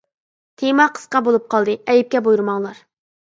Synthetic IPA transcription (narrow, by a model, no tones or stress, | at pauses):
t̪ʰemɑqʰə̥sqɑbolˠup̚qʰɑlˠd̪ɨɛjip̚kʲɛbojuɾɨmɑŋlˠɑɾ